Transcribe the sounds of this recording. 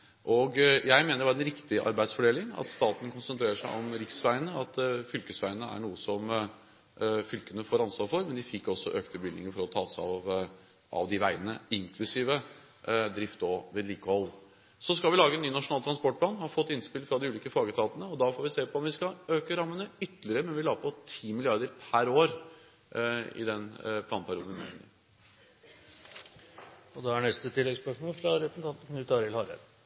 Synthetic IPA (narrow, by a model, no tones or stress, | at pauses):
ʔɔɡjæɪmeːnəɾʋɑɾɛnɾɪkt̪ɪʔɑ̰ɾbæɪd̪sfɔɖeːlɪŋɑ̰t̪st̪ɑːt̪n̩kʰʊnsənt̪ʰɾeːɾəʂæɪʔɔmɾɪksʋæɪənəɑt̪fʏlkəsʋæɪənəæ̰ɳuːəsɔm | fʏlkənəfoːɾɑnsʋɑːɾfɔɾmɛnd̪ɪfɪkːɔsːɔʔøːkt̪əbɪlnɪŋəfɔɾɔt̪ʰɑːsɑ̰ʋ | ʔɑ̰ʋd̪ɪʋæɪənəɪŋkʰlʉsiːʋə | d̪ɾɪft̪ɔʋeɛːd̪liːkəhɔl | sɔskɑlʋɪlɑːɡəɛnːyːnɑʂʊnɑːlt̪ʰɾɑnspɔʈ̚pʰlɑːnʋhɑfɔt̪ːɪnspɪlfɾɑd̪ɪʉːliːkəfɑːɡət̪ʰɑːt̪ənəɔd̪ɑfoːɾʋɪseːpʰɔɔmʋɪskɑøːkəɾɑmːənəʏt̪ːəlɪɾəmɛnʋɪlɑːɡpʰɔt̪ʰiːmɪlɪɑɾd̪əɾpʰæɾoːɾ | ɪ̰d̪ɛnpʰlɑːnpʰæɾjuːd̪nʋ̪ɪmḛŋə̰ | ɔd̪ɛæɳɛst̪ət̪ʰɪlɛɡspœʂmoːlfɾɑɾɛpn̩t̪ɑnt̪kʰnʉːt̪ɑɾɪlhɑɾə̰d̪